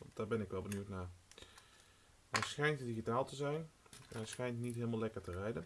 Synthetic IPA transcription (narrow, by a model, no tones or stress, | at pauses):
ɑntd̥aːɹbɛnɪkʋɛlˠbənywtnaːɹ | ɦɛjsχɛjntdiχitaːlˠtəzɛjnɛnɛjsχɛjntnitɦeːlˠmalɛkəɹtərɛjdən